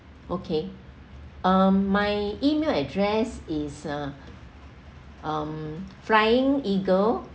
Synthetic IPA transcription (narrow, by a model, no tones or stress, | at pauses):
ʔokʰe | amːajimelɛdɹɛsisa | ʔamfɹajɪ̃ŋiɡəl